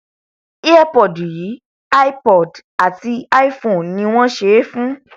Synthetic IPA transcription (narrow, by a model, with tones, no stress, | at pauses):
i˦a˦˨pɔ˨dji˨˦ | a˦i˦pɔ˨d | a˨ti˧a˦i˦fõ˨n˨nĩ˧w̃ɔ̃˦ʃe˧˦fũ˦